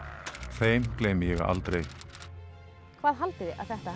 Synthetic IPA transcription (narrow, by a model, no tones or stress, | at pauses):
θeːjmkleːjmɪjɛɣa̰lt̪ɾej | kʰvaːðɦalt̪ɪðɪʔa̰ðθɛht̪a